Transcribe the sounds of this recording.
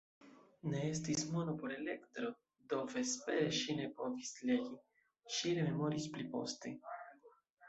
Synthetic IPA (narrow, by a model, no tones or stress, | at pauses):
ne̞estismo̞nopoɾe̞le̞kt̪ɾo̞ | d̪o̞ve̞spe̞ɾeʃine̞po̞visleɡi | ʃineme̞mo̞ɾisplipo̞̰stḛ